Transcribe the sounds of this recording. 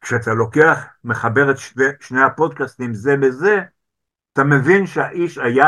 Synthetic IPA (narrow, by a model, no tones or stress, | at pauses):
kʃeat̪alo̞keaχme̞χabe̞ʁet̪ʃeʃne̞jhapo̞d̚kast̪imzebeze̞ | atame̞vinʃehaʔiʃaja